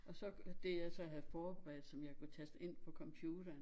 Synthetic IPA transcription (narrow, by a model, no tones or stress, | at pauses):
ʔɒ̽sɒ̽d̥ejɑ̈ɪsɒ̽ɦæð̩ˠfɒːb̥ʁæð̩ˠsɒ̽mjɑ̈ɪkʰut͡sʰæsd̥e̝n̰pʰɒ̽kʰɒ̽mpʰjuːd̥ɐːn